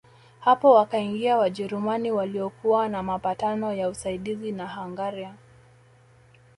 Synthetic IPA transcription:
hapɔwakaiŋɡiawaʄɛɾumaniwaliɔkuwanamapatanɔjausaiɗizinaɦaŋɡaɾia

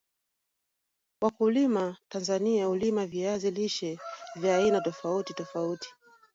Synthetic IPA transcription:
wakulimatanzaniaulimaviaziliʃɛvjaːinatɔfautitɔfauti̥

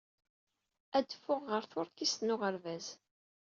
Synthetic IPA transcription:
æd̪fːʊʁːəɾθʊɾkist̪nʊʁəɾvæz

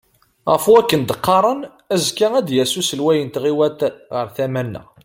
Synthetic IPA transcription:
ʁəfwækːənd̪əqːɑɾˤən | æzkaæd̪jæsusəlwæjənt̪ʁiwæt̪ʁəɾθæmænːə̰

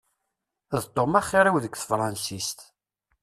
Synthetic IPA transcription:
ðt̪ˤːomaχːiɾæwðəkʷθəfɾˤɑnsist̪

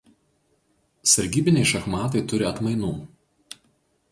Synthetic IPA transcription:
sɐɾʲɡʲiːbʲɪnʲɛɪʃɐxmɑːt̪̬ɐɪt̪ʊɾʲɪɐt̪mɐɪnuː

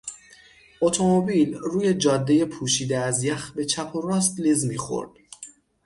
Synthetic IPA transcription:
ʔot̪ʰo̞mobiːlruːje̞d͡ʒɒːd̪ːeje̞pʰuːʃiːd̪eæzjæxbe̞t͡ʃʰæpʰorɒːst̪lizmiːxo̞̰ɾd̪̥

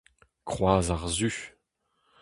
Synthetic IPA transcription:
kχwaːzaʁzy

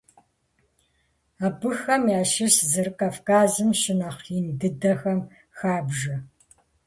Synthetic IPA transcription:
aːbɨxɐmjaːʃɪszɨrkʼaːfkaːzɨmʃɪnɐχindɨdɐxɐm | xaːbʒɐ

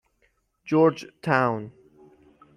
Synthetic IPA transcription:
d͡ʒɔɹd͡ʒtʰãwn

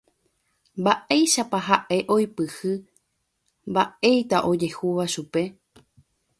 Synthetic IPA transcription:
mbaʔe̞jʃapaɦaʔe̞ʔo̞jpɨhɨ | mbaʔe̞jt̪aʔo̞d͡ʒe̞huʋaʃupe̞

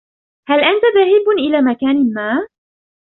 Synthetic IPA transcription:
halʔant̪aðahiːbnʔɪlaːmakaːnɪmaː

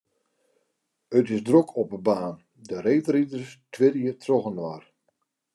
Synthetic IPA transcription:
ətɪsdrokʰɔpəbaːn | dəɾeːtridərstʰʋɪɾjətʰrɔɣənʋar

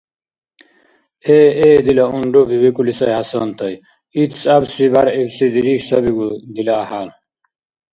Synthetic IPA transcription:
eed̪ilɐuɳɖobiwikulisɐjhɐsɐnt̪ɐj | it̪t͡sabsibaɾebsid̪iɾiksɐbiɡud̪ilɐːhal

